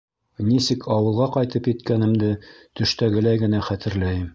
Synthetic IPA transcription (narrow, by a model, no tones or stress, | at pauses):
nisɘkʰɒwɤ̆lˠʁɑqɒjt̪ɤpjɘ̆t̪kænɘ̆md̪ɘt̪ɵ̆ʃt̪æɡɘ̆læjɡɘ̆næχæt̪ɘ̆ɾlæjɘm